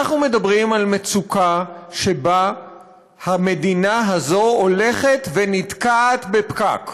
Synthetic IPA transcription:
aχnume̞d̪abʁimalmet͡sukaʃe̞ba | hame̞d̪inaɦazo̞ole̞χe̞t̪venit̪kaːt̪bepka̰k

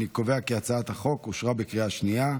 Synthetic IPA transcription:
nikoveakeat͡saat̪haχo̞kuʃʁabekʁiaʃnia

